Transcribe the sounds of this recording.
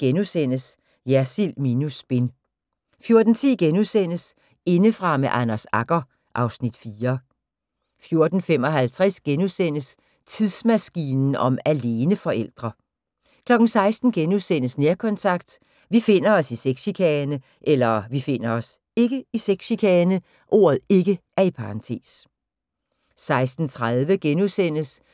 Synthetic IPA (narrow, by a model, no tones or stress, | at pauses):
ɡ̥enusen̰əs | jæsilminusb̥e̝n | fjo̝ɐd̥n̩t͡sʰiɡ̥enuðsen̰əs | e̝nəfʁɑ̈meʔænæsɑɡ̥ɐ | ʔɑ̈ʊsnid̥fiːɐ | fjo̝ɐd̥n̩fem̰ɒ̽ɦælt͡sʰʁɛsɡ̥enusen̰əs | t͡sʰiðˠsmæsɡ̥iːnn̩ɒ̽mæle̝ːnəfɒ̽ʔel̰d̥ʁɐ | kʰlɒ̽ɡ̥n̩sɑ̈ɪsd̥n̩ɡ̥enuðˠsen̰əsneɐkʰɒ̽nt͡sʰɑ̈ɡ̥d̥ | ʋife̝n̰ɐɒ̽siseɡ̥ɕikʰɛːnə | ʔelɐʋife̝n̰ɐɒ̽s | e̝ɡ̥əiseɡ̥ɕikʰɛːnə | ʔo̝̰ːɐð̞̩ˠe̝ɡ̥əʔæɐipʰɑ̈ʁɑ̈nt͡sʰe̝̰ːs | sɑ̈ɪsd̥n̩t͡sʰʁaðˠʋəɡ̥enusen̰əs